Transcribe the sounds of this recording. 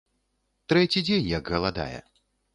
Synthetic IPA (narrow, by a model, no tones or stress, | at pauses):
t̪ɾɛt͡sʲid͡zʲenʲjɐɡɣɐlˠad̪a̰jɛ̰